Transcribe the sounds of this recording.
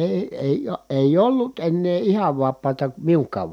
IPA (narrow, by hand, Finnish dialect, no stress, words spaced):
eˑi eˑij̆ eˑij olːut enːeː ihɑʋ ʋɑpˑɑːtɑ miuŋkˑɑːʋ